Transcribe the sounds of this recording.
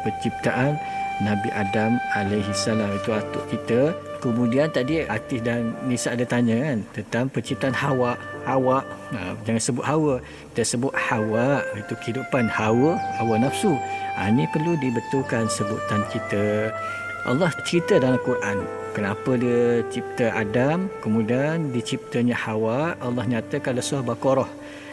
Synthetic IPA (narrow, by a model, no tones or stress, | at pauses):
pərt͡ʃip̚t̪aʔanːabiʔadamalajɦisalamit̪uat̪ʊ̰ʔkit̪əkəmũdiant̪adiat̪ɪsdannisaʔdət̪aɲə̃kant̪ənt̪aŋpərt͡ʃip̚t̪aʔanhawaʔhawaʔə̰d͡ʒaŋansəbʊt̪ʔ̚ɦawə | t̪əsəbʊt̪̚hawaʔit̪ukəidupanhawəhawənafsuʔa̰nĩpərludibət̪ukansəbut̪ant͡ʃit̪ə | ʔa̰lːɔht͡ʃəɾit̪ədalamkuɾʔan | kənapədiət͡ʃip̚t̪əʔa̰damkəmudiandit͡ʃip̚t̪əɲəhawaʔalːɔhɲat̪əkalasuahbakoɾɔh